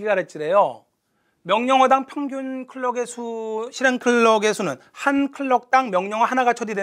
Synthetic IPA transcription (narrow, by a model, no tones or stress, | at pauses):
ɡiɡaɾet͡ɕ͈iɾejo | mjʌŋɲʌŋʌdaŋpʰjʌŋɡjunkʰɯɭːʌɡesʰuɕʰiɾeŋkʰɯɭːʌɡe̞sʰunɯn | hankʰɯɭːʌk̚t͈aŋmjʌŋɲʌŋwaɦanaɡat͡ɕʰʌdide